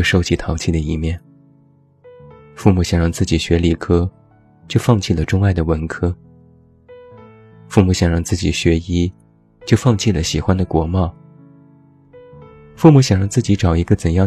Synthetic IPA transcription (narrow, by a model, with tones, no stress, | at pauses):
ʂo˥˧ʊt͡ɕʰi˥˩t̪ʰɑ˧˥ʊt͡ɕʰi˥˩d̪ə˩i˥˩mjɛ˥˩n | fu˥˩mu˧˩ɕjɑ˨˩ŋɻɑ˥˧ŋt͡sɹ̩˥˩t͡ɕi˨˩ɕɥɛ˧˥li˨˩kʰɤ˥ | t͡ɕjo˥˧ʊfɑ˥˧ŋt͡ɕʰi˥˩lə˩ʈ͡ʂʊ˥ŋa˥˩ɪd̪ə˩wə˧˥nkʰɤ˥ | fu˥˩mu˧˥ɕjɑ˨˩ŋɻɑ˥˧ŋt͡sɹ̩˥˩t͡ɕi˨˩ɕɥɛ˧˥i˥ | t͡ɕjo˥˧ʊfɑ˥˧ŋt͡ɕʰi˥˩lə˩ɕi˨˩xwa˥nd̪ə˨kwɔ˧˥mɑ˥˩ʊ | fu˥˩mu˧˥ɕjɑ˨˩ŋɻɑ˥˧ŋt͡sɹ̩˥˩t͡ɕi˧˥ʈ͡ʂɑ˨˩ʊi˧˥ɡə˧t͡sə˨˩njɑ˥˩